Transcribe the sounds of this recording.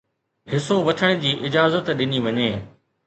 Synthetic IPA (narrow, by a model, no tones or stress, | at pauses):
ɦɪsoʋɐʈʰəɽ̃ɪ̃d͡ʑiːʔɪd͡ʑaːzət̪ɗɪniʋɐɲeː